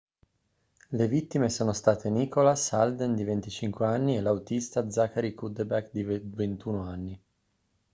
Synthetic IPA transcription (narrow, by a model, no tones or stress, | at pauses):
levit̪ːimesoːnost̪aːt̪eniːkolasald̪end̪ivent̪it͡ʃiŋkweanːiɛlːawt̪ist̪ad̪zakaɾikud̪ebɛkd̪ivvent̪uːnoanːi